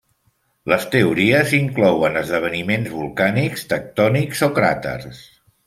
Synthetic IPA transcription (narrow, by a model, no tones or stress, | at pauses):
ləst̪əuɾiəziŋklɔwənəzðəβ̞ənimenzβulˠkanikst̪ək̚t̪ɔnikzokɾa̰t̪ə̰rs